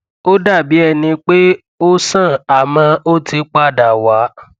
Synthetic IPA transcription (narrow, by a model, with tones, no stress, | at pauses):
o˦da˦˨bi˨˦ɛ˧˨nĩ˧k͡pe˦ | o˦sã˦˨a˨mã˧o˦ti˧˦k͡pa˦˨da˨wa˨˦